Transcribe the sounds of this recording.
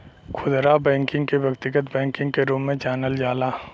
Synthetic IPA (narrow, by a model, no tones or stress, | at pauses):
kʰʊd̪ɾabɛ̃ːŋkɪ̃ŋɡkebʱɐkt̪ɪɡət̪bɛ̃ːŋkɪ̃ŋɡ̚keɾoːmːẽt͡ʃaːnəld͡ʒaːlaː